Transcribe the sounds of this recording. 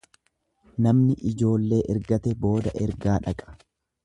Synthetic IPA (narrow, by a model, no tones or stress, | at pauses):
nɐmnɪʔɪd͡ʒo̞ːlːe̞ːʔɛɾɡɐt̪ɛbo̞ːd̪ɐʔɛɾɡaːᶑɐkʼɐ̥